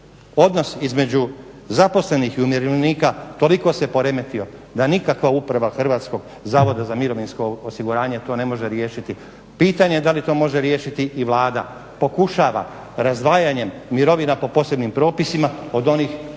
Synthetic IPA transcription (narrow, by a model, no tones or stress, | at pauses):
o̞d̪no̞sizme̞d͡ʑu | zapo̞sle̞nixiumjeɾelniːkat̪o̞liko̞se̞po̞ɾe̞me̞t̪io̞d̪anikakʋaupɾaʋaxr̩ʋaːt̪sko̞ɡ | zaːʋo̞d̪azamiɾo̞ʋinsko̞osiɡuɾaːɲe̞t̪o̞ːne̞mo̞ʒeɾje̞ːʃit̪i | piːt̪aɲed̪alit̪o̞ːmo̞ʒe̞ɾje̞ːʃit̪iʔiʋlaːd̪a̰ | po̞kuʃaːʋa̰ | ɾazd̪ʋaːjaɲe̞mːiɾo̞ʋinapo̞po̞se̞bnimpɾo̞ːpisimao̞d̪o̞niːx